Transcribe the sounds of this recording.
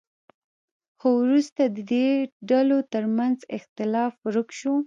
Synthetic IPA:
xowɾust̪ad̪əd̪eɖalot̪əɾmanzɪxt̪ɪlɑfɾəkʃo

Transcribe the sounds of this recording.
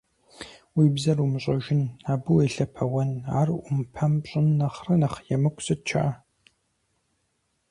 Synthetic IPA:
wiːbzɐrumɨɕʼɐʒɪnaːbɨweːɬɐpʰɐwɐna̰ːrʊmpʰɐmpɕʼɪnːɐχrɐnɐχjɛmɨkʷsɨt̚t͡ʃʰɐ̰ʔɐ

